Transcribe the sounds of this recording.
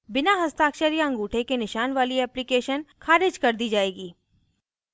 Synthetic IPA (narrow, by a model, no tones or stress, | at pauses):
bɪnaɦɐst̪aːkʃəɾijaɐ̃ŋɡuːʈʰekenɪʃaːnʋaːliɛːplɪkeːʃənkʰaːɾɪd͡ʒkɐɾd̪id͡ʒaːeːɡiː